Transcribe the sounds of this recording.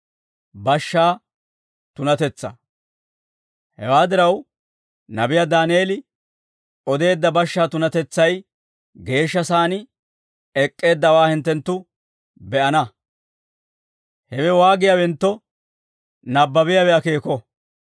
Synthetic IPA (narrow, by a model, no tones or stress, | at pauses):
bɐʃːaː | t̪ʊnɐt̪ɛt͡sːɐ̰ | hɛwaːd̪ɪɾɐw | nɐbɪjad̪aːnɪeːlɪ | ʔɔd̪e̞ːd̪ːɐbɐʃːaːt̪ʊnɐt̪ɛt͡sːɐj | ɡe̞ːʃːɐsaːnɪ | ɛkʼːe̞ːd̪ːɐwaːhɪnt̪ːɛnt̪ːʊ | bɛʔɐnɐ | hɛwɛwaːɡɪjɐwɛnt̪ːɔ | nɐbːɐbɪjɐwɛɐkeːkɔ